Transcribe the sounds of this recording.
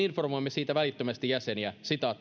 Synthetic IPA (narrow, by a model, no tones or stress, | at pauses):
informojmːesiːt̪æʋælit̪ːømæst̪ijæsenjæsit̪ɑːt̪ː